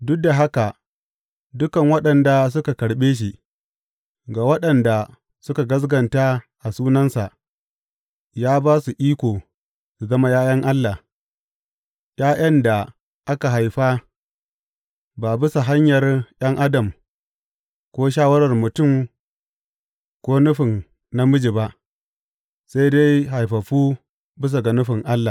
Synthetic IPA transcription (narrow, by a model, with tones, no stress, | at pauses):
dʊ˦k̚da˨ɦa˦ka˨ | dʊ˦kɐ˨ŋwɐ˦ɗɐ˨nda˨s̬ʊ˦ka˨kɐ˨ɽɓeː˦ʃ̬i˨ | ɡaː˨wɐ˦ɗɐ˨nda˨ | sʊ˦ka˨ɡɐ˦s̬ɡɐ˨nta˦ʔa˨suː˦nɐ˦nsa˨ʔ | jaː˦baː˦su˨ʔiː˦kʷoː˨ | su˨zɐ˦ma˦jaː˦jɐ˦ŋʔa˦lːa˨ | jaː˦jʔɐ˦nda˨ | ʔa˦ka˨ɦa˨jɸa˦ | ba˨bɪ˦sa˨ɦa˦ɲjɐ˨rj̰ɐ˦ŋʔa˦dɐ˨m | kʷoː˦ʃ̬aː˦wɐ˦ɾɐ˨rmʊ˨tʊ˦˨m | kʷoː˦nʊ˦ɸɪ˨n | na˦mʊ˦d͡ʒi˨ba˦ʔ | sa˦jde˦jɦa˨jɸɐ˨ɸuː˦ | bɪ˦s̬a˨ɡa˨nʊ˦ɸɪ˨ŋʔa˦lːa˨